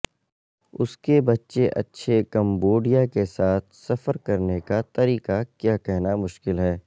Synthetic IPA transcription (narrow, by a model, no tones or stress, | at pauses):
ʊskebɐtːʃeʔɐ̰tːʃʰekɐ̃mboːɖijakesaːt̪̚ʰsɐfəɾkɐɾnekat̪ɐɾiːqakjaːkɛɦnamʊʃkɪlɦɛː